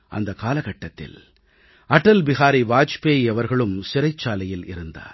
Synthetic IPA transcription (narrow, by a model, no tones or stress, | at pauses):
ʔɐ̰nd̪ɐkaːlɐɣɐʈːɐt̪ːɪ̰l | ɐʈːɐlbɪɣaːɾiʋaːt͡ʃpeːɐʋɐɾɣɐɭɯmsɪɾɐɪt͡ʃːaːlɐjɪlɪ̰ɾɯnd̪a̰ːɾ